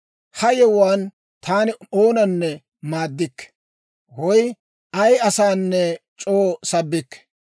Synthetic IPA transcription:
hɐjɛwaːn | t̪ʰaːnɪoːnɐnːɛ | maːd̪ːɪkːɛ̥ | wɔj | ɐjɐsaːnːɛt͡ʃʼoːsɐbːɪkːɛ̥

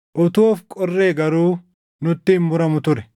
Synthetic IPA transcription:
ʔɔt̪oːfkʼɔrːe̞ːɡɐɾuː | nʊt̪ːɪhɪnːʊɾɐmʊt̪ʊɾɛ

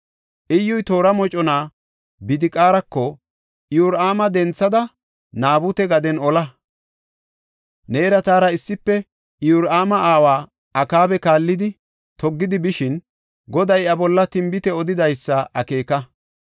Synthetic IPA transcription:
ʔɪjːɔjt̪o̞ːɾɐmɔt͡ʃʼɔnaː | bɪd̪ɪkʼaːɾɐkːɔ | jʊɾʔaːmɐd̪ɛnt͡sːɐd̪ɐ | naːbʊt̪ɛɡɐd̪ɛnɔlɐ | ne̞ːɾɐt̪aːɾɐɪsːɪpːɛ | juɾʔaːmɐʔaːwaː | ɐkaːbɛkaːlːɪd̪ɪ | t̪ɔɡːɪd̪ɪbɪʃɪn | ɡɔd̪ɐjɐbɔlːɐt̪ɪmbɪt̪ɛɔd̪ɪd̪ɐjsːɐʔɐke̞ːkɐ

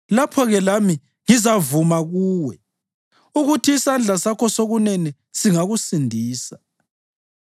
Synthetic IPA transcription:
lapʰɔɣɛlami | ŋizavumaɣuːwɛ | uɣutʰiːsand͡ɮʱasakʰɔsoɣunɛnɛ | siŋaɣusindʱiːsḁ

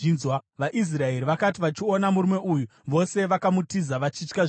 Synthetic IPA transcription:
nzwaʋaʔis̬rae̞ɾiʋakat̬iʋat͡ʃionamuɾume̞ʔujuʋo̞se̞ʋakamutizaʋat͡ʃit͡ʃka

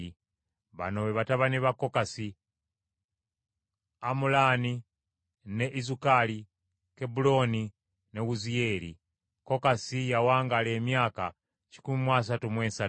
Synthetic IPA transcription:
i | βa̰noβeβataβaniβako̞kasi | amulaːni | ne̞ʔizukali | kebulo̞ni | neɣuzijeɾḭ | ko̞kasijawaːŋɡale̞ːmjaːka | t͡ʃi̥kumimwas̬atumweːnsa

